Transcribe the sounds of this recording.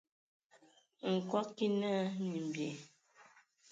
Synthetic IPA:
ŋ̩˨kwɔ˦ki˦na˦ni˨m̩˨bje˨

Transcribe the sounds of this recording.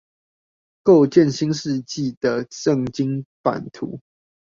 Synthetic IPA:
ko˥˨ʊt͡ɕjɛ˥˨nɕi˦ŋʂɻ̩˥˧t͡ɕi˥˨d̪ə˩ʂə˥˨ŋt͡ɕi˦ŋpa̰˨˩nt̪ʰṵ˨˦

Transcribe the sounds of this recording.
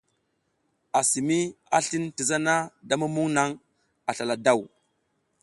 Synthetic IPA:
a˨si˨mi˦a˨ɬi˦nti˨za˦na˦da˦ma˦mu˦ŋna˦ŋ | a˨ɬa˨la˨da˦˨w

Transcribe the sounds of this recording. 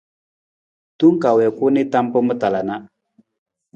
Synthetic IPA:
tu˦ŋ˦ka˨wɛ˨ku˦ni˦ta˦mpə˦mə˦ta˨la˨na˦

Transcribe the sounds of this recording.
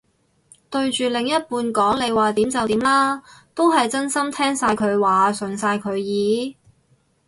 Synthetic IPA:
t̪ɵ˧ɥt͡ʃyː˨˩lɪ˨˩ŋjɐ˥t̚puː˧nkɔː˨˥ŋle˨˧jwaː˨t̪iː˨˥mt͡sɐ˨wt̪iː˨˥mlaː˥t̪o˥wɦɐ˨jt͡sɐ˥nsɐ˥mt̪ʰɛː˥ŋsaː˧jkʰɵ˨˧ɥwaː˨˩sɵ˨nsaː˧jkʰɵ˨˧ɥjiː˨˥

